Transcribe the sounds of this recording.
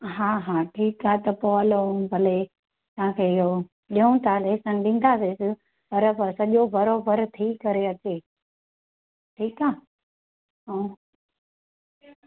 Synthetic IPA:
ɦaːɦaːʈʰiːkaːt̪ɐpoəlobʱɐle | t̪ʋ̤ãkʰeːɪo | ɗiũt̪aːleːsɐ̃nɗĩːn̆d̪aːsesɪ | pɐɾpsɐʄobɐɾoːbʱəɾt̪ʰiːkɐɾeɐt͡ɕeː | ʈʰiːkaː | ɦãː

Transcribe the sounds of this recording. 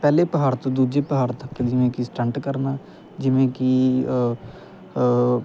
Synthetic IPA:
pɛːleːpəɦaːɾt̪õːd̪uːd͡ʒeːpəɦaːɾt̪əkd͡ʒɪʋẽːkisʈə̃ɳʈkəɾnaː | d͡ʒɪʋẽːki

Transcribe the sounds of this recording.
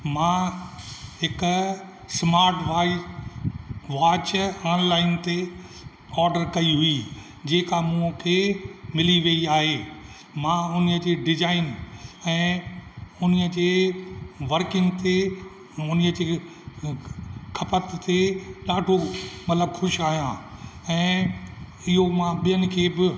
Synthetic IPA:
mã | ɦɪk | smaːɾʈa | ʋaːt͡ɕaːnlaːɪnt̪e | ɔːɾɖəɾkɐiɦʊi | d͡ʑeːkamũkʰemɪliʋeiaːɦeː | mãʊniəd͡ʑeːɖɪd͡ʑaːɪnɛ̃ː | ʊniəd͡ʑeː | ʋɐɾkɪ̃ŋɡt̪e | ʊniəd͡ʑeː | kʰɐpət̪ːeɗaːɖʱomɐt̪ləbxʊʃaːɦijãɛ̃ː | ɪɦomãɓijənɪ̆kʰeːbɪ

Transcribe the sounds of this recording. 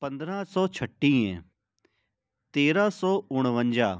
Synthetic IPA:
pə̃nd̪ɾãːsɔːt͡ʃʰəʈːĩːẽː | t̪eːɾaːsɔːʊɽ̃ʋə̃ɲd͡ʒaː

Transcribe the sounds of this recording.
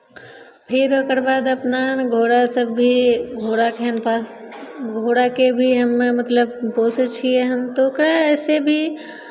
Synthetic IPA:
pʰiɾoːkəɾbaːd̪ɐpnanɡʱoːɽasəbːiɡʱoːɽakɛnpaːsɡʱoːɽakebʱiɦɐmːẽmət̪ləbpoːsət͡ʃʰieɦəmt̪oːkɾaɛːsebʱi

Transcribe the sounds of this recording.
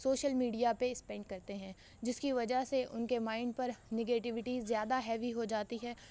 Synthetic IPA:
soːʃəlmiːɖijapeɪspɛ̃ːɳɖkɐɾt̪eɦɛ̃ː | d͡ʒɪskiʋɐd͡ʒaɦseʔʊnkemaːɪɳɖpɐɾnɪɡeːʈɪʋɪʈizjaːd̪aɦɛːʋiɦod͡ʒaːt̪iɦɛː

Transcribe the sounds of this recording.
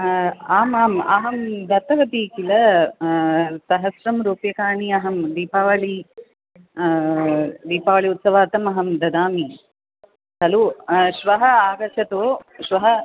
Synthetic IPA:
aːmaːmɐ̰ɦɐmd̪ɐt̪ɐʋɐt̪iːkilɐ | sɐɦɐsɾɐmɾuːpjɐkaːɳiɐɦɐmd̪iːpaːʋɐɭi | d̪iːpaːʋɐɭiut̪sɐʋaːt̪ɐmɐɦɐmd̪ɐd̪aːmi | t̪ɐluʃʋɐɦɐaːɡɐt͡ʃɐt̪oːʃʋɐɦɐ

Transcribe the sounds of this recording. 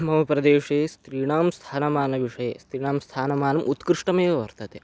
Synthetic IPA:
mɐʋɐpɾɐd̪eːʂeːst̪ɾiːɽ̃aːmst̪ʰaːnɐmaːnɐʋiʂɐjḛːst̪ɾiːɽ̃aːmst̪ʰaːnɐmaːnɐmʔut̪kɾiʂʈɐmeːɐʋɐɾt̪ɐt̪e

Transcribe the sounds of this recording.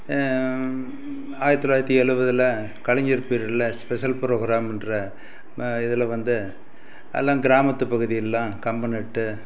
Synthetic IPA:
aːjɪɾɐt̪ːɔlaːjɾɐt̪ːiɛɻɯʋɐðɯlɐ | kɐɻɐɲd͡ʒɐɾpiːɾɪlɐspɛʂɐlpɪɾoːɣɪɾaːmɛndɾɐ | ɪðɐlɐʋɐnd̪ɯ | lːãːɡɪɾaːmɐt̪ːɯpɐɣɯðɪjɐlːãːkɐmbɐnɪʈːɯ

